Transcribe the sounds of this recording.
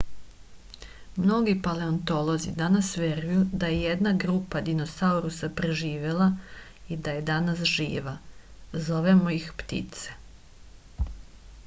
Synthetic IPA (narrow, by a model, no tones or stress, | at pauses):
mno̞ɡipaleont̪o̞lˠo̞zḭd̪anasʋe̞ɾujud̪ajejed̪naɡɾuːpad̪ino̞sauɾusapɾeʒiːʋe̞lˠa | id̪aje̞d̪anasʒḭːʋazo̞ʋe̞moixpt̪ḭt̪se̥